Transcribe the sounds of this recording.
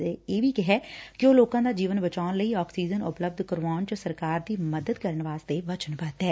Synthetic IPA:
eeːbʱiːkɪɦɛːkɪoːloːkãːd̪aːd͡ʒiːʋənbət͡ʃaːnləiːɔːksiːd͡ʒənʊpləb̚d̪ʱkəɾʋaːnt͡ʃəsəɾkaːɾd̪iːməd̪əd̪kəɾəɳʋaːst̪eːʋət͡ʃənpəːt̪ɦɛː

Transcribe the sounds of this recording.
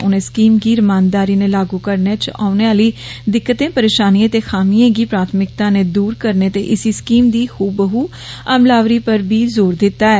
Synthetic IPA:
ʊnẽːskiːmɡiːɾɪmaːnd̪aːɾiːneːlaːɡuːkəɾnet͡ʃaːʊneːaːliːd̪ɪkːət̪ẽːpəɾeːʃaːniãːt̪eːxʰaːmiãːɡiːpɾaːt̪ʰmɪk̚t̪ãːneːd̪uːɾkəɾneːt̪eːʔɪsiːskiːmd̪iːxuːbəɦuː | əmlaːʋɾiːpəɾbʱiːzoːɾd̪ɪt̪ːaːɛː

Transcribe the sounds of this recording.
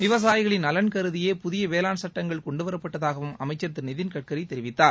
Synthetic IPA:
ʋɪʋɐs̬aːjɪɣɐɭɪnɐlɐnkɐɾɯðɪjeːpʊðɪjɐʋeːlaːnsɐʈːɐŋɡɐɭkɔɳɖɯʋɐɾɐpːɐʈːɐðaːɣɐʋɯmɐ̰mɐɪt͡ʃːɐɾt̪ːɯnɪðɪnkɐʈ̚kɐɾɐɪt̪ːɛɾɪʋɪt̪ːaːɾ

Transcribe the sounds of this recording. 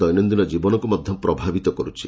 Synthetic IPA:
ɔjnɔnd̪inɔd͡ʒibɔnɔkumɔd̪ʱjɔpɾɔbʱabit̪ɔkɔɾut͡ʃʰḭ

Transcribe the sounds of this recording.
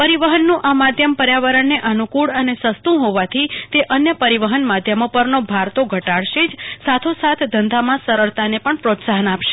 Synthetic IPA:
pəɾiʋəɦənːũʔamad̪ʱjəmpəɾjaʋəɾəɳːeʔənukuɭənesəst̪ũɦoʋat̪ʰit̪eʔənjəpəɾiʋəɦənmad̪ʱjəmopəɾnobʱaɾt̪oɡʱəʈaɭʃed͡ʒsat̪ʰosat̪ʰd̪ənd̪amãsəɾəɭt̪anepəɳpɾot̪saɦənapʃe̥

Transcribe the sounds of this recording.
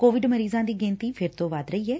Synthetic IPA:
koːʋɪɖməɾiːzãːd̪iːɡɪ̃ːnt̪iːpʰɪɾt̪õːʋaːd̪ɾəiːɛː

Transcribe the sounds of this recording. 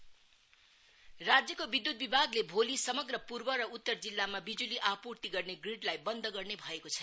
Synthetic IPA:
rad͡zjʌkobid̪ːut̪̚bibʱaɡlebʱolisʌmʌɡrʌpurbʌɾʌut̪ːʌrd͡zilːamabid͡zuliʔapurt̪iɡʌrneɡriɖlajbʌnd̪ʱʌɡʌrnebʱʌekot͡sʰʌ

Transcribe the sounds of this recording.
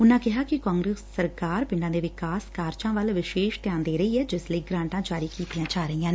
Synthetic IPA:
ʊnãːkɪɦaːkɪkãːŋɡɾeːsəɾkaːɾpɪ̃ɳɖãːd̪eːʋɪkaːskaːɾt͡ʃãːʋəlʋɪʃeːʃt̪jãːnd̪eːɾəiːɛːd͡ʒɪsləiːɡɾãːɳʈãːd͡ʒaːɾiːkiːt̪ijãːt͡ʃaːɾəijãː

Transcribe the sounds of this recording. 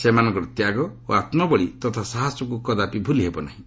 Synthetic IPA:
semanɔ̃ŋkɾɔt̪jaɡɔo̰at̪mɔbɔɭit̪ɔt̪ʰasaɦasɔkukɔd̪apibʱuliɦebɔna̰ɦĩ

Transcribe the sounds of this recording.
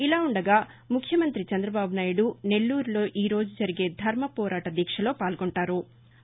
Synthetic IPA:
ilaːuɳɖɐɡaː | mukʰjɐmɐnt̪ɾit͡ʃɐnd̪ɾɐbaːbunaːjuɽune̞lːuːɾulo̞ːʔiːɾo̞ːd͡ʒud͡ʒɐɾiɡe̞ːd̪ʱɐɾmɐpɔːɾʔaːʈɐd̪jɛkʂɐlo̞ːpaːlɡoɳʈaːɾu

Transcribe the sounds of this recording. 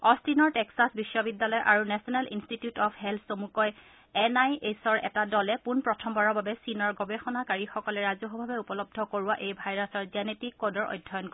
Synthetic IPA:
ɔsinɔɹtɛksasbisːɔbidːalɔjʔaɹunɛsɔnalḭnstitijutɔpʰɦɛlʰsomukɔj | ɛnajesɔɹɛ̰tadɔlɛpunpɹɔtʰɔmbaɹɔbʱabɛsinɔɹɡɔbexɔnakaɹixɔkɔlɛɹazɔɦɔbʱabɛupɔlɔb̚dʱɔkoɹuwaʔejbʱajɹasɔɹzanetikːɔdɔɹʔɔ̰jdʱɔjɔnk

